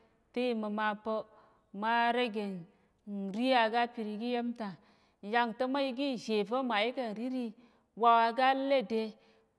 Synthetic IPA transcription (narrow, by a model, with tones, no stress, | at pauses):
te˦i˨mə˨ma˨pə˦ | ma˦ɾe˦ɡe˨n | n˨ɾi˦ja˨ɡa˦pi˨ɾi˨ɡi˦je˦mta˨ | ja˨ŋtə˦ma˦ji˦ɡi˦˨ʒe˨və˦ma˨i˦ka˨n˨ɾi˦ɾi˦ | wa˨wa˨ɡa˦le˦de˦